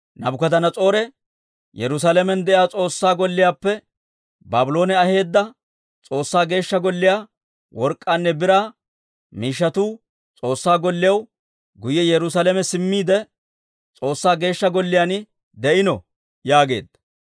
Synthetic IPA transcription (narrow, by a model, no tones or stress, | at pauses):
nɐbʊkɐd̪ɐnɐt͡sʼo̞ːɾɛ | jɛɾʊs̬alɛmɛnd̪ɛʔjaːt͡sʼo̞ːsːaːɡɔlːɪjaːpːɛ | baːbʊlo̞ːnɛɐhe̞ːd̪ːɐ | t͡sʼo̞ːsːaːɡe̞ːʃːɐɡɔlːɪjaː | wɔɾkʼːaːnːɛbɪɾaː | miːʃ̬ːɐt̪uː | t͡sʼo̞ːsːaːɡɔlːɪjɐw | ɡʊjɛjɛɾʊsalɛmɛsɪmːiːd̪ɛ | t͡sʼo̞ːsːaːɡe̞ːʃːɐɡɔlːɪjanɪ | d̪ɛʔɪnɔ | jaːɡe̞̰ːd̪ːɐ̥